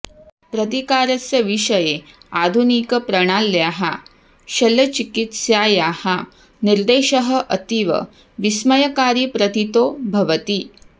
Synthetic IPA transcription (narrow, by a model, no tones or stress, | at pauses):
pɾɐt̪ikaːɾɐsjɐʋiʂɐjead̪ʱunikɐpɾɐɽ̃aːlːjaːɦa | ɕɐlːɐt͡ʃikit̪sjaːjaːha | niɾd̪eːʃɐɦɐ̆ʔɐt̪iʋɐ̰ | ʋismɐjɐkaːɾiːpɾɐt̪it̪oːbʱɐʋət̪iː